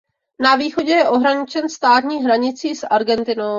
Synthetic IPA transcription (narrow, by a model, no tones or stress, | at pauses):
naviːxoɟɛjɛʔoɦɾaɲɪt͡ʃɛnst̪aːt̪ɲiːɦɾaɲɪt͡siːsʔaɾɡɛnt̪ɪnow